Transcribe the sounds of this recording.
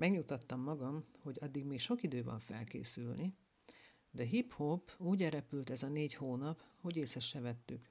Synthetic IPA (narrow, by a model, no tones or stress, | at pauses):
mɛɡɲut̪ɒt̪ːɒmːɒɡɒmho̞ɟɒd̪ːiɡmeːkʃo̞kid̪øːvɒ̰ɱfɛ̰lkḛːsylni | d̪ɛɦiphobuːɟɛɾɛpylt̪ɛzɒneːɟhoːnɒpho̞ɟeːsɛʃːɛvɛt̪ːyk